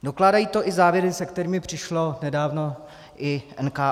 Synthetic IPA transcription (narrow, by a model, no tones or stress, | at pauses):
do̞klaːdajiːt̪o̞ʔɪzaːvjɛɾɪsɛkt̪ɛɾiːmɪpr̝̥ɪʃlo̞nɛdaːvno̞ | ʔɪʔɛnkaː